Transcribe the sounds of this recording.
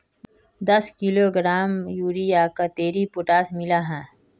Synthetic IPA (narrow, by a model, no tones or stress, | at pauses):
d̪ɐskɪloːɡɾaːmjuːɾijakat̪eːɾipʊʈaːsmɪlaɦɛ̃ː